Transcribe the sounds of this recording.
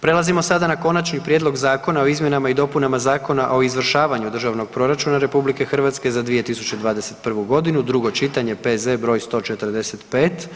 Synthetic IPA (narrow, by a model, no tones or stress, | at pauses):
pɾe̞lˠazimo̞sad̪anako̞nat͡ʃnipɾʲjed̪lˠo̞ɡzaːko̞nao̞izmje̞namaid̪o̞punamazaːko̞naʔo̞izʋr̩ʃaːʋaɲud̪rʒaʋno̞ɡ̥̚pɾo̞ɾat͡ʃunaɾe̞publike̞xr̩ʋat̪ske̞zad̪ʋije̞t̪isut͡ɕe̞d̪ʋaːd̪e̞se̞t̪pr̩ʋuɡo̞d̪inud̪ɾuɡo̞t͡ʃit̪aɲe̞pezebɾo̞ːjst̪o̞ːt͡ʃe̞t̪ərd̪e̞se̞t̪peːt̪